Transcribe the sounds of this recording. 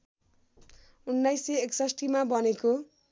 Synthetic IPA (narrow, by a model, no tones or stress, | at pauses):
unːajseeksʌsʈimabʱʌneko